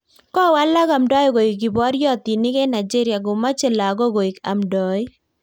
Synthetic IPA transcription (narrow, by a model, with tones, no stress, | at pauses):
kɔ˦˨wa˦la˦ɡa˨mdɔ˦jɡo˨i˨kɡɪ˨bɔ˦ɾjɔ˦t̪i˨nɪ˦kɛ˦na˨d͡ʒe˦ɾja˨ɡʊ˨ma˦t͡ʃɛ˦la˨ɡɔ˦ɡo˨i˨ka̰˨mdɔ˨j